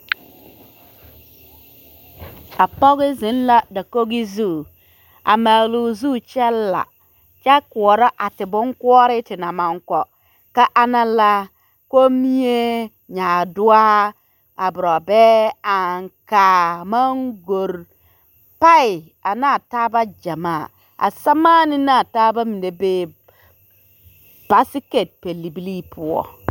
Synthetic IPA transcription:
a˨pɔ˦ɣi˦zɪ˨˦n˦la˦da˨ko˦ɡi˦zu˦˨ | a̰˨ma˨lu˨zu˦˨t͡ʃɛ˦lːa̰˨ | t͡ʃa˦ku˨ɔ˨ɾɔ˦ʔa˨tɪ˨bʊ˦ŋku˦ɔ˦ɾɪ˦tɪ˨na˨ma˨ŋkɔ˨ | ka˦ʔa˦na˦la˦ | ko˦mi˦je˦ | ɲaː˨du˦a˦ | a˨bʊ˨ɾɔ˨be˦a˨ŋka˨ma˦ŋɡo˨ɾ | pa˦i˨ | a˨na˦˨taː˦ba˦d͡ʒa˨ma˦˨ | a̰˨sa˦ma˦nɪ˦na˦˨ta˦ba˦mi˨nde˦beː˦ | b̥a˦si˦ke˨t̚pe˨lːi˨bi˦li˦pʰu˦ɔ̰˨

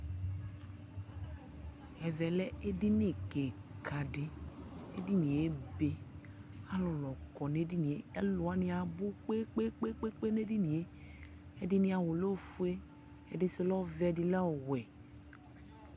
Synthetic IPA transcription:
ɛ˨vɛ˨lɛ˦e˦di˦ne˦˨ke˨kʰa˨dɪ˦ḛ˦di˦nĩ˨e˦be˦ | a˦lɔ˨lɔ˨kɔ˨ne˦di˦nĩ˨e˨a˦lo˨a˦nĩ˦a˨bʊ˦k͡pe˦k͡pe˦k͡pe˦k͡pe˦k͡pe˦ne˦di˦nĩ˨e˦ | e˦dɪ˦nĩ˦a˨wo˨lo˦˨fu˦e˦ | e˦dɪ˦se˦lɔ˦vɛ˦˨dɪ˨lɛ˦o˨wɛ˨

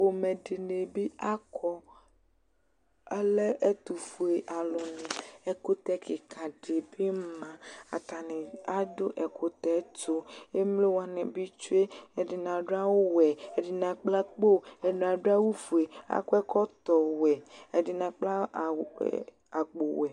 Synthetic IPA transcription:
wo˨mẽ˨ɖe˨ne˨bi˦a˦kʰɔ˦ | e˦le˦ʔe˦t̪u˨fu˨e˨ʔa˨lo˨nẽ˨ɛ˨ko˦t̪ɛ˦ke˨kʰã˨ɖe˨bi˦mã˨a̰˨t̪a˨nẽ˨a˦do˦ʔɛ˨ko˦t̪ɛ˨˦to˦e˦mle˦wa˨nẽ˨bi˦t͡ʃu˦e˦e˨di˨n˨ã˨ɖa˦wo˦wɛ˨e˨di˨nã˨k͡pla˦k͡po˦e˨da˨ɖa˦wu˦vu˨e˨a̰˦kɔ˦ɛ˦kɔ˦t̪ɔ˨wɛ˨e˨di˨nã˨k͡pla̰˦˨ | a˨k͡po˨wɛ˨

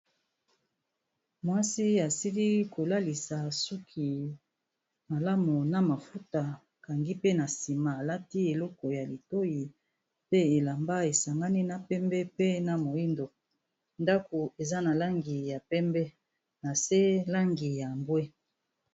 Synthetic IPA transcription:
mwa˦si˦a˨si˦li˦ko˨la˦li˨sa˨su˦kʰi˨ | ma˨la˦mu˨na˨ma˨fu˦ta˨ | ka˨ŋɡi˦pe˦na˨si˨ma˨la˦ti˦e˨lɔ˦kɔ˨ja˨li˨to˦ji˨ | pe˦e˨la˨mba˦e˨sa˨ŋɡa˦ni˦na˨pɛ˦mbɛ˦pe˦na˨mo˨i˦ndo˨ | nda˦ko˨e˨za˦na˨la˦ŋɡi˨ja˨pɛ˦mbɛ˦ | na˨se˦la˦ŋɡi˨ja˨mbwɛ˦

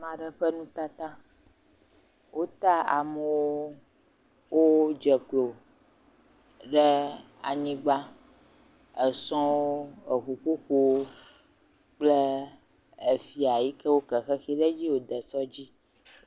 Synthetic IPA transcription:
mã˨ɖə˦ɸə˦nũ˦t̪a˦t̪ã˦ | wʔo˦t̪a˦a̰˨mə˨wo˦ | wʔo˦d͡ʒɛ˨klo˨ | ɖe˦ | a̰˨ɲĩ˦ɡ͡ba˦ | ə˨sɔ̃˦wo˦ə˨xu˨ko˦ko˨wo˦ | k͡ple˦ | e˨fi˨˦a˨ji˦kɛ˦wo˦kɛ˨xɛ˦xi˦ɖɛ˦d͡ʑi˦wo˨d̪ɛ˨sɔ˦d͡ʑi˦

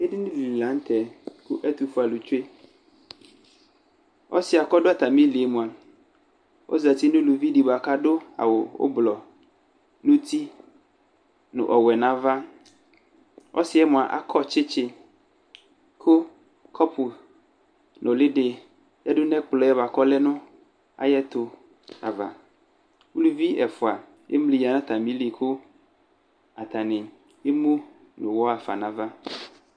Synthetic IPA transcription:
e˦dɪ˦nʊ̃˦li˨i˨lã˨˦n̩˦t̪ʰɛ˨kʊ˦ʔɛ˦t̪u˨fʊ˦a˨lʊ˨t͡ʃe˦ | ɔ̰˦sɪ˦a˨kɔ˦dʊ˦a˨t̪ʰa˨mĩ˦li˨e˦mũ˨a˨ | ɔ̰˦za˨ti˦nʊ̃˦lu˨vi˦di˨ba˨ka˦dʊ˦a̰˨wʊ˨ʊ̰˦blɔ˨ | nʊ̃˦tʰi˦ | nʊ̰̃˨ʔɔ˨wɛ˨nã˦va˦ | ɔ̰˦sɪ˦ɛ˦mʊ̃˨a˨ʔa̰˨kʰɔ˦t͡ɕʰɪ˦t͡ɕʰɪ˨ | kʰo˦ | kʰɔ˦pʰu˨ | nʊ̃˨lɪ˦ɖɪ˨ | ja˦dʊ˦nɛ̃˦k͡plɔ˨˦ɛ˦ba˨kɔ˦lɛ˦nʊ̃˦ | a̰˨jɛ˦t̪o˨ | a̰˨va̰˨ | wu˦lu˦vi˦ɛ˨fʊ˨a˨ | e˦m˦li˨ja˨nã˦t̪a˨mĩ˦li˨kʰo˦ | a˨t̪a˨nɪ̃˨ | e˦mũ˦ | nʊ̃˨wɔ˦a˨fa̰˨nã˦va˦

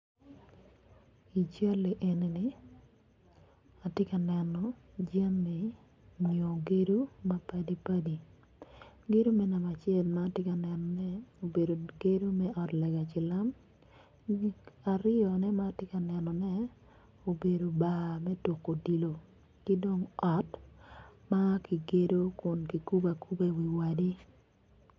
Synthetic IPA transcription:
i˨t͡ʃa˦le˨ʔe˨ne˨nɪ˨ | a˨tɪ˦ka˨nɛ˨nɔ˨ | d͡ʒa˦mɛ˨ | ɲo˨ɡe˦ɾu˦ma˦pa˦di˦pa˦di˨ | ɡe˦ɾu˦mɛ˦na˨ma˨t͡ʃɪɛ˦lmaː˦tɪ˦ka˨nɛ˨nɔ˨nɛ˦o˨be˨do˨ɡe˦do˦mɛ˦ʔɔ˨tlɛ˨ɡa˨t͡ʃɪ˨la˦m | a˨ɾɪ˦ɔ˨nɛ˦ma˦tɪ˦ka˨nɛ˨nɔ˨nɛ˦ | o˨be˨do˨ba˨mɛ˦to˨kːo˨di˨lo˨ | kɪ˦do˦ŋɔ˨t | ma˦ki˨ɡe˦do˦kʊ˨nki˨ku˦ba˨ku˦be˦wi˨wa˨di˦

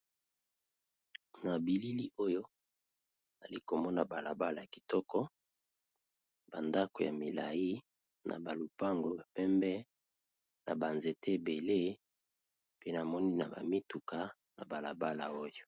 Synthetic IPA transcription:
na˨bi˨li˦li˦ʔo˦jo˦˨ | za˨li˦ko˨mɔ˦na˨ba˨la˨ba˦la˨ja˨ki̥˨tɔ˦kɔ˦ | b̥a˨nda˦ko˨ja̰˨mi˨la̰˨ji˦ | na̰˨ba˨lu˨pa˦ŋɡo˨ba˨pɛ˦mbɛ˦ | na˨ba˨nze˨te˦˨be˨le˦ | pe˦na˨mɔ˦ni˦na˨ba̰˨mi˦tu˨ka˨ | na̰˨ba˨la̰˨ba˦la̰˨o˦jo˦

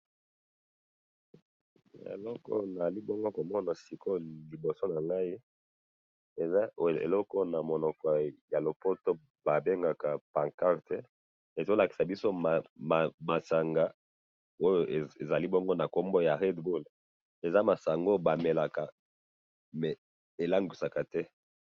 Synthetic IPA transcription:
ḛ˨lɔ˦kɔ̰˦na˨li˦bɔ˦ŋɡo˦ko˨mɔ˦na˨si˨ko˦li˨bo˨so˦na˨ŋɡa˦i˦ | e˨za˦ḛ˨lɔ˦kɔ˦na˨mo˨nɔ˨kɔ˨ja˨lo˨po˦to˦ | ba˨be˦ŋɡa˨ka˨pã˨ŋka˦ʁtɛ˦ | e˨zo˦la˨ki̥˨sa˨bi˦so˦˨ma˨ma˨sa˨ŋɡa˨˦ | o˦jo˦˨e˨e˨za˨li˦bɔ˦ŋɡo˦na˨ko˦mbo˦ja˨ʁe˦dbu˦l | e˨za˦ma˨sa˨ŋɡo˦ba˨me˨la˨ka˨ | mɛ˨ | e˨la˦ŋɡi˨sa˨ka˨tɛ˦

